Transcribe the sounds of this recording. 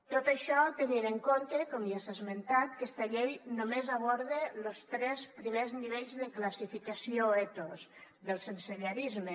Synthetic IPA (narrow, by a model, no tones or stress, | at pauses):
t̪ot̪əʃɔt̪əniɾəŋkont̪ekɔmjasazment̪at̪kɛst̪aʎejnomezaβ̞ɔɾðelost̪ɾɛspɾimezniβeʎzðəklasifikəsioet̪os | ðəlˠsənseɾjaɾizme